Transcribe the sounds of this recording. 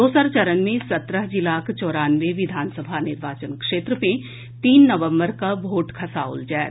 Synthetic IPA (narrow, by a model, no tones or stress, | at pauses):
oːsaɾt͡ʃɐɾənmẽsɐt̪ɾəɦd͡ʒɪlaːkt͡ʃɔːɾaːnʋeʋɪd̪ʱaːnsəbʱanɪɾʋaːt͡ʃənkʃeːt̪ɾəpẽ | t̪iːnːəʋə̃mbəɾkabʱoːʈkʰɐsaʊ̰ld͡ʒɛː